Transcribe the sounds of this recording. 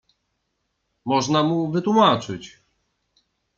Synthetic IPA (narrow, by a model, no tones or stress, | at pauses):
mɔʐnamuvɘt̪wumat͡ʂɘt͡ɕ